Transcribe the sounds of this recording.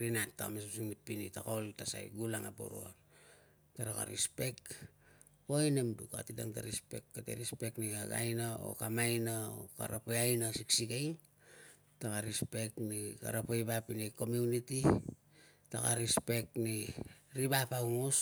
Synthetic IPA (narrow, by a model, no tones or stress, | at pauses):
ɾinatːaka̰mesusiŋnipːinitakoltasa̰jɡulaŋabo̰ɾo̰o̰n | taɾaka̰ɾḭspe̞k | oenemduka̰tida̰ŋtaɾispe̞̰kːatḛɾispe̞knikaɡa̰jnao̰kamajnao̰ka̰ɾapejajnasiksiɡajŋ | takaɾispe̞knika̰ɾapojbapineko̞miuniti | taka̰ɾispe̞kniɾibapawŋos